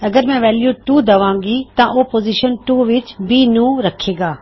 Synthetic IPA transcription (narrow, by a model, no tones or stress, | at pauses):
ɐɡəɾm̤ɛ̃ʋɛːljuʈuːd̪ɐʋãːŋɡit̪ɐ̃ʔoːpoːziʃənʈuːʋɪt͡ʃbinũːɾɐkʰeːɡaː